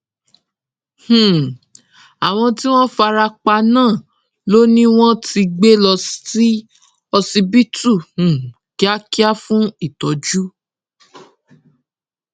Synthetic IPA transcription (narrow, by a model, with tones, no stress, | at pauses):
h̩˨ | a˨w̃ɔ̃˧ti˦w̃ɔ̃˦fa˧ɾa˧k͡pa˧nãː˦˨ | lo˦nĩ˦w̃ɔ̃˦ti˧ɡ͡be˦lɔ˧sti˦ | ɔ˧si˧bi˦tu˦˨h̩˨ | ki˨˦a˦ki˦a˦fũ˦i˦˨tɔ˨d͡ʒu˦